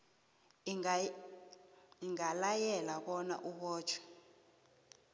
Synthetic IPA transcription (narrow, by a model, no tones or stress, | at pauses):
iŋalajɛlakɔna̰ʔuɓɔːt͡ʃʰwɛ̥